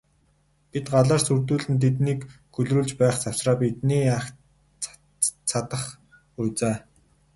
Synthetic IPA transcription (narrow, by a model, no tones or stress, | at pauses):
pit̪ɢaɮaːrsurt̪uːɮɘ̆nt̪ʰet̪niːk | ɡɵɮruːɮt͡ɕpæːχt͡saw̥sraːpit̪̚niːak | t͡sʰat̪ə̆χ | ʊjt͡saː